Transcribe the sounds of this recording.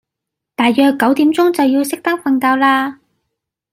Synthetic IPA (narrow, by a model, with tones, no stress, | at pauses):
t̪aː˨˩jːœː˨˧kːɐ˨˥wt̪iː˨˥mt͡sʊ˥ŋt͡sɐ˨wjiː˧wsɪ˥k̚t̪ɐ˥k̚fɐ˨˧nkaː˧wlaː˧